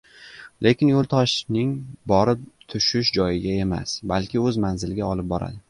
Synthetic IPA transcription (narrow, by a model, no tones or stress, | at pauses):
lʔe̞kʲɪnjolˠt̪ʰɒʃnɪŋbɒɾɪp̚t̪ʰʊʃɪʃd͡ʒɒjɪɡʲae̞ma̰sbalkʲɪɵzmanzɪlɪɡʲaɒlɪp̚bɒɾa̰d̪ɪ